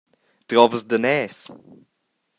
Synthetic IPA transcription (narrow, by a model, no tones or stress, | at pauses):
d̪̥ɾɔvəsd̪ənɛːs